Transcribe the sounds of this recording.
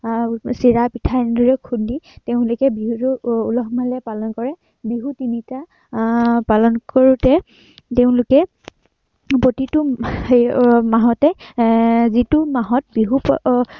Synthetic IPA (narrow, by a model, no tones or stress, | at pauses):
siɹapitʰandɔɹɛkʰunditeʊ̃lʊkɛbiɦutʊulɔɦmalɛpalɔnkɔɹɛ | biɦutinita | palɔnkɔɹutɛ | teʊ̃lʊkɛ | pɹotitʊ | maɦɔtɛ | zitʊmaɦɔt̚biɦup